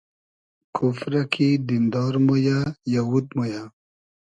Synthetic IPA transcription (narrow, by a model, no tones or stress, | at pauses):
kʰufɾakʰid̪ind̪ɑːɾmojajawut̪moja